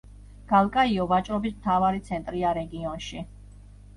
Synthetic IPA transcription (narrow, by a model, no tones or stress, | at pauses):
ɡ̥alˠkʼaiɔvat͡ʃʼɾɔbismt̪ʰavaɾit̪sʰɛnt̪ʼɾiaɾɛɡiɔnʃi